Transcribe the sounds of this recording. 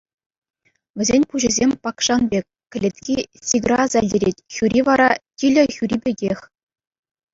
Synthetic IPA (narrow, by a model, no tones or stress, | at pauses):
ɘ̆zʲenʲpuʑɘ̆zʲemʲpɑkʂɑnbʲekʲkʲːɘ̆lʲet̪ʲkʲisʲiɡrɑzælʲdʲeɾʲetʲxʲyɾʲiʋɑɾɑtʲilʲɘ̆xʲyɾʲibʲeɡʲexʲ